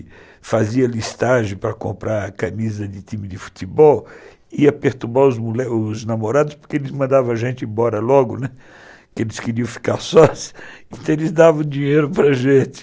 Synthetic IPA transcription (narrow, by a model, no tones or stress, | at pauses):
faziɐlist̪aʒẽj̃pɾɐkõ̰mpɾʔaɾɐkamizɐd̪ɪt̪ĩmɪd̪ɪfu̥t̪ibɔw | iɐpeɾt̪uɾbaɾʊzmulɛʊznamoɾad̪ʊspoɾkeelɪzmɐ̃nd̪avɐ̃ɐʒẽnt͡ʃ̪ɪẽbɔɾɐlɔɡʊnɛ | kɪelɪskɪɾiɐ̃w̃fi̥kaɾsɔsɐ̥ẽt̪ɐ̃w̃elɪzd̪avɐ̃w̃d͡ʒiɲejɾʊpɾɐʒẽt̪ɪ̥